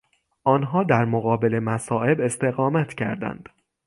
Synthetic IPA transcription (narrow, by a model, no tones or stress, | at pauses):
ʔɒːnɦɒːd̪æɾmoɣɒːbe̞le̞mæsɒːʔe̞be̞st̪e̞ɣɒːmæt̪ʰcʰæ̰ɾd̪æ̰nd̪̥